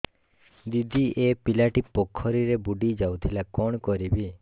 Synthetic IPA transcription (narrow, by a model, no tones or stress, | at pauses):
d̪id̪ʱiʔepilaʈipɔkʰːɔɾiɾebuɖid͡ʒawt̪ʰilakɔɳ̃kɔɾibi